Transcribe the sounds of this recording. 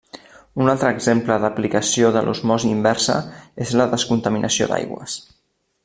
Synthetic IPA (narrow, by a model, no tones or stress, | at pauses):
unalˠt̪ɾəːɡzempləðəplikəsioðəlʔṵzmɔziːmbɛrsə̰ezləðəskunt̪əminʔəsio̰d̪a̰jɣwə̰s